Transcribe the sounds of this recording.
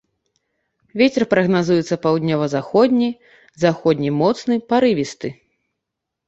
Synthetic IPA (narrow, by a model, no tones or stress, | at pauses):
vʲet͡sʲɛrpɾɐɣnazujɛt̪sːɐpawd̪ʲnʲɔvɐzaxɔd̪ʲnʲi | zaxɔd̪ʲnʲimɔt̪snɨpaɾɨvʲist̪ɨ